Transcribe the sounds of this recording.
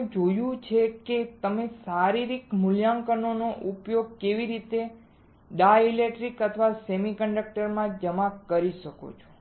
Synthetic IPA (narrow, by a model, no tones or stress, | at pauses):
d͡ʒojũt͡ʃʰeket̪əmesaɾiɾikmʊljãŋkənonoʔupjoɡ̚keʋiɾit̪e | ɖailekʈɾikət̪ʰʋasemikəɳɖək̚ʈəɾmãd͡ʒəmãkəɾiʃəko̰t͡ʃʰo̥